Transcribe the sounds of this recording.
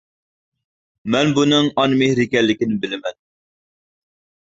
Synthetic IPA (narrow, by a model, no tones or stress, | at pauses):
mɛnbunɨŋɑnmɪhɾɪkʲɛlːɪkʲinɪbɪlɪmɛn